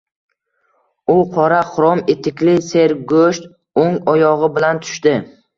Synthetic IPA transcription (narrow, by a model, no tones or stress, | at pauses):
ʊqʰɒɾaχʊɾɒmet̪ʰɪkʲlɪse̞ɾɡoʃt̪ | oŋɒjɒʁɪbɪlant̪ʰʊ̥ʃt̪ɪ